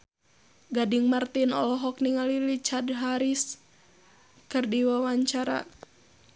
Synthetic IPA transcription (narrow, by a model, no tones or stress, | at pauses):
ɡadiŋmart̪inɔlɔɦɔkniŋalilit͡ʃadɦaɾis | kɨrdiwawaɲt͡ʃaɾa̰